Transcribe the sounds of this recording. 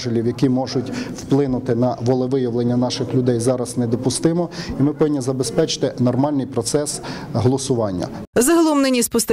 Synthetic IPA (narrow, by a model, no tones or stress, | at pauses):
ʒɪlʲiwjɐkʲimɔʒʊtʲwplˠɪnʊt̪ɪnɐʋɔlˠɛʋɪjɐʋlˠenʲːɐnɑʃɪxlʲʊd̪ɛjzɑɾɐznɛd̪ɔpʊst̪ɪmɔimɪpɔʋɪnʲːizɐbespɛt͡ʃɪ̥t̪ɪnɔrmɑlʲnɪjpɾɔt̪sɛsɦɔlˠɔsʊʋɑnʲːɐ̰zɐɦɐlˠɔmnɪnʲispʊst̪